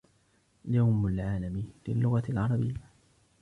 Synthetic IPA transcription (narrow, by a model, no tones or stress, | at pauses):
jawmalʕaːlamlɪlːʊɣalʕɑɾˤɑbɪjːa